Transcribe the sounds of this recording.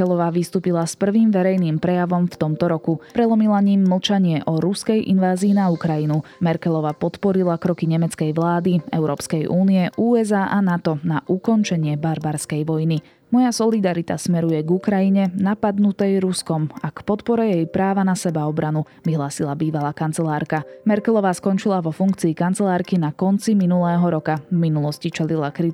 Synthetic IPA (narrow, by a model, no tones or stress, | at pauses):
ɛlɔʋaʋist̪uːpilaspr̩ʋiːmʋɛɾɛjniːmpɾɛjaʋɔmft̪ɔmt̪ɔɾɔkupɾɛlɔmilaɲiːmːl̩t͡ʃaɲɪɛʔɔɾuskɛjʔḭnʋaːziːnaukɾajinu | mɛɾkɛlɔʋapɔt̪pɔɾilakɾɔkiɲɛmɛt͡skɛjʋlaːd̪iɛ̰ʊɾɔːpskɛjʔuːniɛʔuːɛzaʔanat̪ɔnaʔukɔnt͡ʃɛɲɪɛbaɾbaɾskɛjʋɔjni | mɔjasɔlid̪aɾit̪a̰smɛɾujɛɡukɾajiɲɛnapad̪nut̪ɛjɾuskɔmakpɔt̪pɔɾɛjɛjpɾaːʋanasɛbaɔbɾanu | ʋiɦlaːsilabiːʋalaːkant͡sɛlaːɾkamɛɾkɛlɔʋaːskɔnt͡ʃilaʋɔfuŋkt͡siːkant͡sɛlaːɾkinakɔnt͡siminulɛːɦɔɾɔkavminulɔscit͡ʃɛlilakɾi